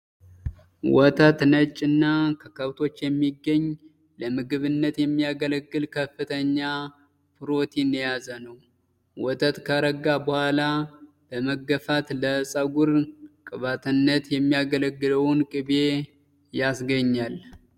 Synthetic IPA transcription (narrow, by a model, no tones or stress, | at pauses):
wɔt̪ʰat̪nət͡ʃʼːɨnːakʰəkʰəβt̪ʰo̞t͡ʃːjɛmːiɡːəɲː | ləmɨɡɨβɨnːət̪jɛmːijaɡələɡːɨlkʰəfːɨt̪ʰəɲːa | pɨɾo̞t̪ʰinjazənəw | wɔt̪ʰʼət̪kʰəɾəɡːabəhʷala | b̥əməɡːəfat̪ləsʼəɡuɾkʼɨβat̪ʰɨnːət̪jɛmːijaɡələɡːɨləwnkʼɨβe̞ | jasɡəɲːal